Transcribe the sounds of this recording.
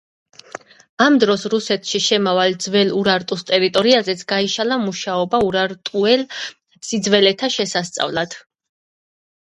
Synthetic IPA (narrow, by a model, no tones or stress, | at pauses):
amd̪ɾɔsɾusɛt̪ʰʃiʃɛmavald̪zvɛluɾaɾt̪ʼust̪ʼɛɾit̪ʼɔɾiazɛt̪sʰɡ̥aiʃalamuʃaɔbauɾaɾt̪ʼuɛl | sid̪zvɛlɛt̪ʰaʃɛsast̪sʼa̰vlˠad̪̥